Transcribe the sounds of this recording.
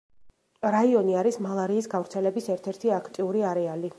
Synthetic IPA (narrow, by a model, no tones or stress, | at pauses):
ɾaiɔniaɾismalˠaɾiːsɡavɾt̪sʰɛlɛbisɛɾt̪ʰɛɾt̪ʰiakʰt̪ʼiuɾiaɾɛali